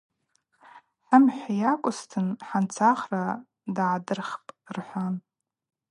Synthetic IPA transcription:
ħamħʷajakʷʼʊstʰɨnħant͡sʰaχra | dʕdɨrχpʼrħʷan

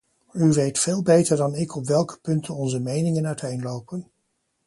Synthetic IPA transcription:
yʋejtfeːlˠbejtəɹdɑnɪkɔpʋɛlˠkə̥pɵntənɔnzəmejnɪŋənœɥtʰejnlowpən

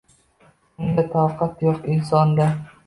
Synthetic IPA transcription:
ʊnd̪at̪ʰawqɑt̪jɒqɪnsɒnd̪a

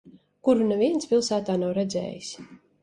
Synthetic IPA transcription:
kuɾunɛviɛntspʲilˠsæːt̪aːnawɾɛd̪zɛ̰ːjis

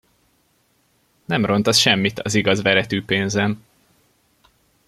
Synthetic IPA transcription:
nɛmro̞nt̪ɒsʃɛmːit̪ʰɒziɡɒzvɛɾɛt̪yːpeːnzɛn

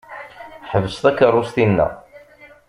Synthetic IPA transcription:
ħəvəst̪ækːərˤːʊst̪inːæ̰

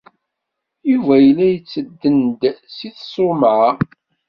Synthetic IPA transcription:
juvæjəlːæjət͡sːəd̪ːənd̪siθsˤomʕa

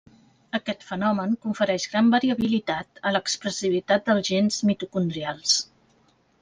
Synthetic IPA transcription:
əkɛt̪fənɔməŋkuɱfəɾɛʒɣɾambəɾiəβilit̪at̪ələkspɾəsiβ̞it̪at̪̚d̪əlˠzʒenzmit̪ukund̪ɾialˠs

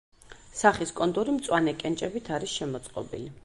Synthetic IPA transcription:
saχiskʼɔnd̪ʼuɾimt̪sʼwanɛkʼɛnt͡ʃʼɛbit̪ʰaɾisʃɛmɔt̪sʼqʼɔ̰bḭli

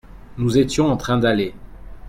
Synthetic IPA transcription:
nuzet̪jɔ̃ɑ̃t̪χɛ̃d̪ale

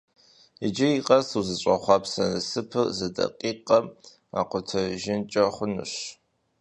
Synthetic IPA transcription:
id͡ʒɪiqʼɐsuzɨɕʷʼɐχʷɑːpsɐnɨsɨpʰɨrzɨdɐ̰qʼiːqʼɐm | a̰ːqʷʊtʰɐʒɪnt͡ʃʼɐχʷʊnɨ̰ɕ

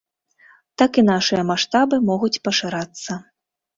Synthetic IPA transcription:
t̪akinaʂɨjɐmaʂt̪abɨmɔɣut͡sʲpɐʂɨɾat̪sːɐ

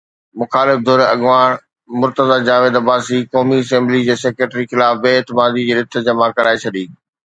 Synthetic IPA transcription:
mʊxaːlɪfd̪ʱoːɾeɐɠʋaːɽ̃ | mʊɾt̪əzaːd͡ʑaːʋeːd̪ɐbaːsikɔːmiɐsɛ̃ːmblid͡ʑeːseːkɾeːʈɾixɪlaːfbeːɪt̪ɪmaːd̪id͡ʑeːɾɪt̪ʰːəd͡ʑɐmakɐɾaːet͡ɕʰɐɗĩː

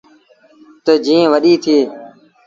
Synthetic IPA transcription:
t̪əd͡ʒĩːẽːʋəɗiːt̪ʰiː

